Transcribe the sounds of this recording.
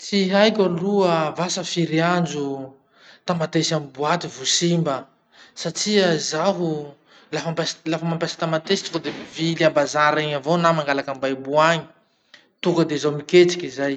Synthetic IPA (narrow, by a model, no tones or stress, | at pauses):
t͡siɦajkʲaluəvasəfiɾiand͡ʒu | t̪amat̪esamibuat̪ivusimbə | saʈ͡ʂiəzaɦu | lafampaslafəmampasḁt̪amat̪esi̥t̪uŋkəd̪emiviliambazaɾeɲavonamaŋɡalakambajbuaɲi̥ | t̪ukəd̪ezawmikʲet͡si̥kʲizaj